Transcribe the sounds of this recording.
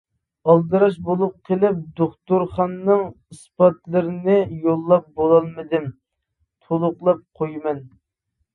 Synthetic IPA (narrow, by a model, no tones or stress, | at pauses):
ɑlˠd̪ɨɾɑʃbolˠup̚qʰəlˠɪp̚d̪oχt̪uɾχɑnːɨŋ | ispɑt̪lˠɨɾɪnɪjolˠːɑp̚bolˠɑlˠmɨd̪ɪm | t̪ʰolˠʊqlˠɑp̚qʰojmɛn